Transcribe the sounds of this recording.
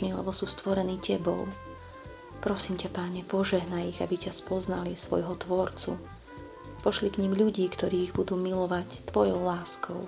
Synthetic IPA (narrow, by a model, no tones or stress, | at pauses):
niːlɛ̰bɔsuːst̪ʋɔɾɛniːcɛbɔ̰l | pɾɔsiːmcapaːɲɛpɔʒɛɦnajiɣa̰bicaspɔzna̰lisʋɔ̰jɦɔt̪ʋɔɾt͡sṵ | pɔʃlikɲimʎuɟiːkt̪ɔɾiːiɣbud̪uːmilɔʋact̪ʋɔjɔʊlaːskɔʊ